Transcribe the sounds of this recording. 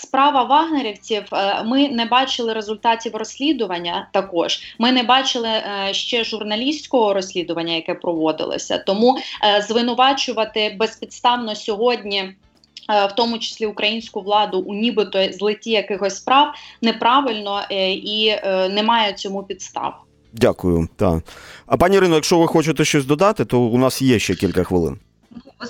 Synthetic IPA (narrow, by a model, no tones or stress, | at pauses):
spɾɑʋɐʋɑɦneɾʲiwt͡sʲiwmɪnɛbɑt͡ʃɪlˠɪɾezʊlʲt̪ɑtʲiwrɔsʲlʲid̪ʊʋɐnʲːɐt̪ɐkɔʒ̥mɪnɛbɑt͡ʃɪlˠɪʃt͡ʃɛʒʊrnɐlʲisʲt͡sʲkɔɦɔɾɔsʲlʲid̪ʊʋɐnʲːɐjɐkɛpɾɔʋɔd̪ɪ̰lˠɔ̰sʲɐ̰t̪ɔmuzʋɪnʊʋɑt͡ʃʊʋɐt̪ɪbɛspʲid̪t̪st̪ɑwnɔsʲɔɦɔdʲnʲi | wt̪ɔmʊt͡ʃɪ̥sʲlʲiʊkɾʔɐjinʲsʲkʊʋlˠɑd̪ʊʔʊnʲibɪt̪ɔzlˠɪtʲijɐkɪxɔsʲspɾɑwnɛpɾɑʋɪlʲnɔinɛmɑjɛt͡sʲɔmupʲit̪st̪ɑ̰w | dʲakʊjʊt̪ɑ̰ɐpɑnʲiɾɪnɔjɐkʃt͡ʃɔʋɪxɔt͡ʃɪt̪ɛʃt͡ʃɔsʲd̪ɔd̪ɑt̪ɪt̪ɔʊnɑsjɛʃt͡ʃɛkʲilʲkɐxʋɪlˠɪ̰n